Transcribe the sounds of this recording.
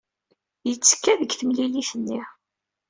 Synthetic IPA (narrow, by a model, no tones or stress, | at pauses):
jət͡sːə̥kːæðəɡθəmliliθənːi